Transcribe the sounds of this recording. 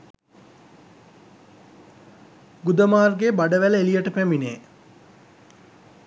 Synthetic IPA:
ɡud̪əmaːrɡebaɖəʋæləelijəʈəpæmineː

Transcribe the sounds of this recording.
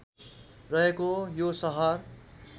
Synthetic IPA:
rʌɦekojosʌɦʌr

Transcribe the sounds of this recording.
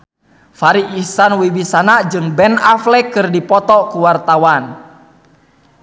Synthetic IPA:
faɾiʔːsanwibisanad͡ʒɨŋbɛnaflɛkɨrdipɔt̪ɔkuwart̪awan

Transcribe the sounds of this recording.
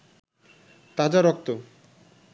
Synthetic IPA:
t̪ad͡ʑaɾɔk̚t̪o

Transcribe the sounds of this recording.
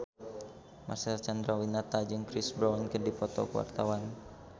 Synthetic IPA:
mʔasɛlt͡ʃandɾawinat̪ad͡ʒɨŋkɾisbɾawnkədipɔt̪ɔ̰kəwa̰rt̪awan

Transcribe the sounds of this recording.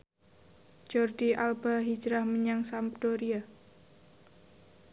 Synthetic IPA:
d͡ʒ̥ɔrdiʔalbaɦi̥d͡ʒɾahməɲaŋsampd̪̥ɔɾia

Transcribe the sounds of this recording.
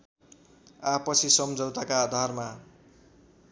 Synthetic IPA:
apʌsʰisʌmd͡zʌwt̪akaːd̪ʱarma

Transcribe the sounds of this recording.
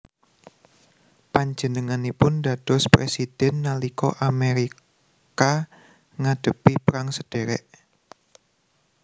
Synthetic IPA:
paɲd͡ʒənəŋanipʊnɖa̤d̥ɔ̤spɾḛsid̥ɛnːalikɔ̰ʔameɾi | ka | ŋaɖ̥ə̤pipɾaŋsəɖ̥eɾɛ̰ʔ

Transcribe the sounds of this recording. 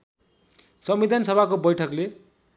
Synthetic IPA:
sʌmbid̪ʱansʌbʱakobʌjʈʰʌkle

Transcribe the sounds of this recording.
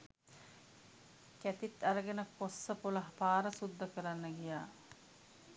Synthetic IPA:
kæt̪it̪aɾəɡenəkosːəpulaɦpaːɾəsud̪ːəkəɾanːəɡijaː

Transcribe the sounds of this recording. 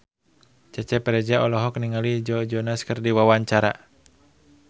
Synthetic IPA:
t͡ʃɛt͡ʃɛpɛɾɛd͡ʒaʔɔlɔɦɔkniŋalid͡ʒɔd͡ʒɔnaskərdiwawaɲt͡ʃaɾa

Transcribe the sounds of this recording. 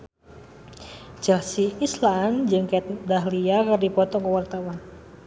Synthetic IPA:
d͡ʒɛlsiisland͡ʒɨŋkat̪̚daɦliakɨrdipɔt̪ɔkəwart̪awan

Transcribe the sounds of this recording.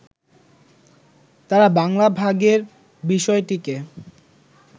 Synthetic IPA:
t̪aɾabaŋlabʱaɡeɾ | biʃɔeʈike

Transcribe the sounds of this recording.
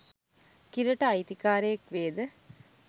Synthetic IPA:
kiɾəʈəɐjt̪ikaːɾəjekʋeːd̪ə

